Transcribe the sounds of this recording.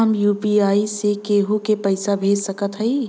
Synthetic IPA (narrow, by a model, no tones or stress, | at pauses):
əmjuːpiaːisekeːɦukepəɪsabʱeːd͡ʒsəkət̪ɦəi